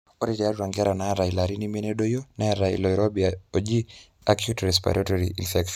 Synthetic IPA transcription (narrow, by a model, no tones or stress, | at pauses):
ɔɾɛtɛatwaŋɡɛɾanaɾailaɾinimɛnɛɗɔjɔnɛɾaḭlɔjɾɔbiaɔd͡ʒi | akjutɾɛs̬pa̰ɾʔɔtɔɾiʔḭnfɛkʃɔ